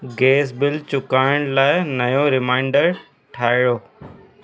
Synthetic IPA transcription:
ɡeːs̬bɪlt͡ɕʊkaːɪɽ̃laːɪnɐjoɾɪmaːɪ̃ɳɖəɾ | ʈʰaːɪɽoː

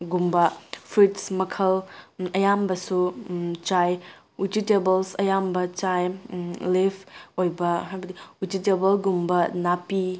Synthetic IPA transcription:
ɡumbɐpʰɾitsmɐkʰɐlɐjambɐsut͡ʃaj | utitebɐlsɐjambɐt͡ʃajlipʰojbɐɦajbɐdiutitebɐlɡumbɐnapi

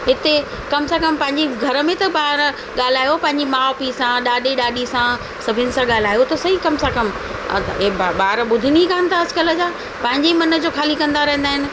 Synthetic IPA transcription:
ɦɪt̪e | kɐmsãkɐmpɐ̃ɦɪ̃ɲd͡ʑiɡʱɐɾə̆mẽt̪ɐɓaːɾ | ɠaːl̤aːjopɐ̃ɦɪ̃ɲd͡ʑimaːpisãɗaːɗeɗaːɗisã | sɐbʱɪnɪ̆sãɠaːl̤aːjot̪ɐsɐikɐmsãkɐm̰ | ɓaːɾɓʊd̪ʱɪniikaːənɪt̪ʰaɐd͡ʑkələ̆d͡ʑaː | pɐ̃ɦɪ̃ɲd͡ʑemɐnə̆d͡ʑoːkʰaːlikɐ̃nd̪aɾɐɦə̃n̆d̪aːɦɪnɪ̆

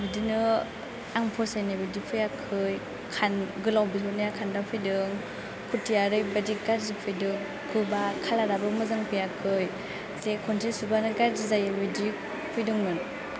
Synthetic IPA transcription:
bidinɯ | aŋpʰɔsajnabidipʰɯjakʰɯj | kʰanɡɯlawbitʰɔnajakʰandapʰɯjdɯŋ | kʰutʰijaɾɯjbadiɡaɾzipʰɯjdɯŋ | kʰɯbakʰalaɾabɯmɯzaŋpʰɯjakʰɯj | zekʰɔntʰisubanɯɡaɾzizajabidi | pʰɯjdɯŋnɯn

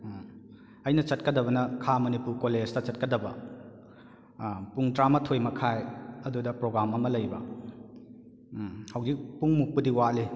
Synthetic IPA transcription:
ɐjnɐt͡ʃɐt̚kɐdɐbɐnɐkʰamɐnipuɾkoled͡ʒtɐt͡ʃɐt̚kɐdɐbɐ | puŋtɾamɐtʰojmɐkʰajɐdudɐpɾoɡɾamɐmɐlɐjbɐ | hɐwd͡ʒik̚puŋmuk̚pɐdiwali

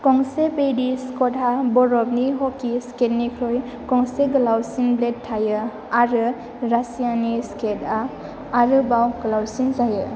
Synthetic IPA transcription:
kɔŋsebediskɔtʰabɔɾɔb̚niɦɔkːisketnikʰɾoj | kɔŋseɡɐlawsinbledtʰːajɯ | aɾɯ | ɾasijanisketa | aɾɯbawɡəlawsinzajɯ

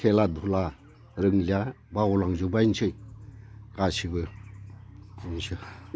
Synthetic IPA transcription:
kʰeladʱula | ɾɯŋlia | baulaŋzɯbainsʰɯj | kasibɯ | insɯ

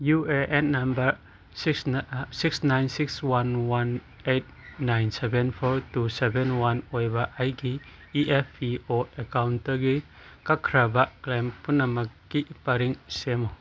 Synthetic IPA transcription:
jueʔenːambɐɾ | sikssiksnajnsikswanwan | et̚najnsebɛnpʰɔɾtusebenwanojbaʔajɡi | iʔepʰioekawntaɡi | kakʰɾabaklempunːamakːipaɾiŋsema

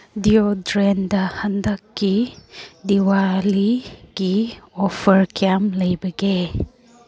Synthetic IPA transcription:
diodɾendɐhɐndɐkːidiwaliɡ̥iɔpʰɐɾkjamlɐjbɐɡe

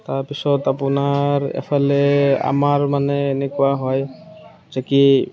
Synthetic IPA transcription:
t̪aɹpisɔt̪apʊnaɹḛpʰalea̰maɹmaneːnekuaɦɔj | zeki

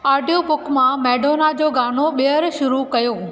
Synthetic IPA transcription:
aːɖijopʊkmãmɛːɖoːnad͡ʑoːɡaːnoɓiəɾʃʊɾukɐjoː

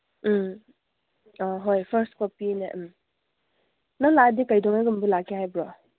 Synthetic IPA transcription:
ɔɦojpʰəɾskɔpineʔm | naladikajdɔŋaɡɯmbɯlakʰihajbɾɔ

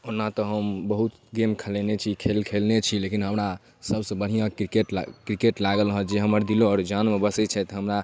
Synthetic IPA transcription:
onːat̪ɔɦəmbəɦut̪ɡemkʰəlɛnet͡ʃʰikʰelkʰelnet͡ʃʰilekinɦəmɾa | səbsə̃bəɽ̤ijãkɾikeʈkɾikeʈlaɡəlɦə̃d͡ʒeɦəməɾd̪iloɔːɾd͡ʒanmebəsɛt͡ʃʰɛt̪ɦəmɾa

